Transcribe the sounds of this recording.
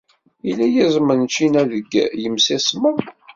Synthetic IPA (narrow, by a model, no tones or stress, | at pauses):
ilːæjæzˤmənt͡ʃːinæðəɡːjəmsæsməð